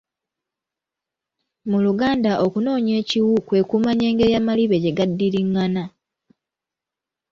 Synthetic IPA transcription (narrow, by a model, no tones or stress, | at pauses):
muluɡaːndaʔo̞kuno̞ːɲe̞ːciwukwe̞ːkumaɲe̞ːŋɡe̞ɾjamaliβe̞ɟe̞ɡadːiɾiŋːana